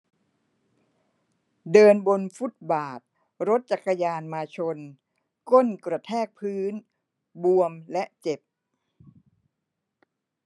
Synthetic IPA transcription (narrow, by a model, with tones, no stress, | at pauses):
dɤː˧nbo˧nfu˦˥t̪̚baː˨˩t̪̚ | ɾo˦˥t̪̚t͡ɕa˨˩kːa˧jaː˧nmaː˧t͡ɕʰo˧n | ko˥˩nkɾa˧˩t̪ʰɛː˥˩k̚pʰɯː˦˥n | bu˧əmlɛ˦˥ʔt͡ɕe˨˩p̚